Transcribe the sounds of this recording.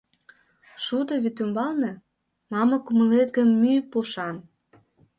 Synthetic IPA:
ʃud̪oβyt̪ymbɑlnĕ | mɑmɑ̆kumə̆let̪ɡə̆mːypuʃɑn

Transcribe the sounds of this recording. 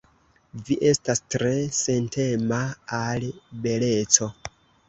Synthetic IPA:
viʔe̞stastɾe̞sentʰe̞maːlbe̞le̞t͡so̞

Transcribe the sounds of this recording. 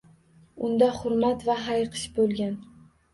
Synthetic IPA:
ʊnd̪ahʊɾmat̪vaɦajqʰɨ̥ʃbolˠɡʲan

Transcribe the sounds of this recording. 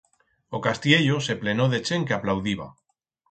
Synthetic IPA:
okast̪jeʎoseplenoðet͡ʃeŋkeaplawðiβ̞a̰

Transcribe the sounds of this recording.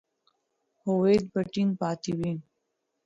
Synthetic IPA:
howeːd̪̚bəʈiŋpaːt̪iwi

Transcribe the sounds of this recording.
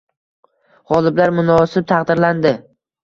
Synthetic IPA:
ʁɒlˠɪblaɾmʊnɒsɪb̚t̪ʰɑqd̪ɪɾland̪ɪ

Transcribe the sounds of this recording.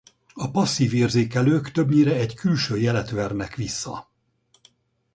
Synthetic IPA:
ɒpɒsːiːveːrzeːkɛløːkt̪øbɲiɾɛɛɟkylʃøːjɛlɛt̪ʋɛrnɛkʋisːɒ

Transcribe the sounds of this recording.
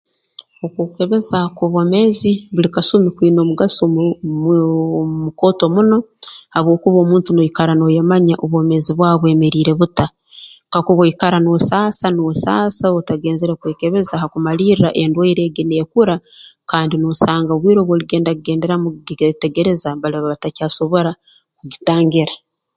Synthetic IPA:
okwuke̞βe̞zakoβome̞ziβulikasumikwiːno̞ːmuɡaso | muko̞ːto̞muno̞haβwo̞ːkuβo̞ːmuːntunoikaɾanojamaɲaʔoβwo̞me̞ziβwaːβwe̞ːme̞ɾiːɾe̞βuta | kakuβaikaɾanosaːsanosaːsaotaɡe̞ːnzeɾekweːke̞βe̞zaːhakumaliːrɾaʔe̞ndwaiɾe̞ːɡinekuɾakaːndinosaːŋɡaβwiːɾo̞βwoliɡe̞ːndakuɡe̞ːnde̞ɾamuɡte̞ɡe̞ɾe̞zaβaliβaβatacaːso̞βo̞ɾa | kuɟitaːŋɡiɾa

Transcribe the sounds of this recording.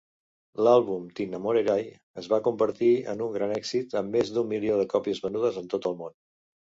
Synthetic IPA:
lalˠβumt̪inəmoɾeɾaj | əzβakumbəɾt̪iə̰nuŋɡɾanɛkzit̪əmːezd̪umːilioðəkɔpiəzβənuð̞əzənt̪ot̪əlˠmon

